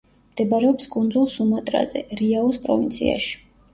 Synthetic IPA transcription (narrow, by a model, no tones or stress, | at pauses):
md̪̥ɛbaɾɛɔpskʼund̪zulˠsumat̪ʼɾa̰zɛ̰ɾiaɔspʼɾɔ̰vint̪sʰḭa̰ʃi̥